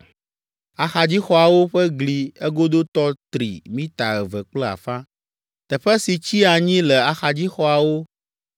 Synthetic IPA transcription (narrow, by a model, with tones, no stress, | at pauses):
a˨xa˨d͡ʑi˦xɔ˦a˨wo˦ɸɛ˦ɡli˨ɛ˦ɡo˦d̪o˦t̪ɔ˦t̪ɾḭ˨mĩ˦t̪a̰˨ɣɛ˨vɛ˨k͡plɛ˦a̰˨fã˦ | t̪ɛ˨ɸɛ˦si˨t͡ɕi˦a˨ɲĩ˦lɛ˨a˨xa˨d͡ʑi˦xɔ˨˦a˨wo˦